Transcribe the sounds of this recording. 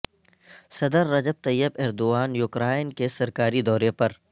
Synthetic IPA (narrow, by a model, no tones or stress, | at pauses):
sɐd̪əɾːɐd͡ʒəb̚t̪ɐjːəbɛːɾd̪ʊaːnjʊkɾaːɪnkesɐɾkaːɾid̪ɔːɾepɐɾ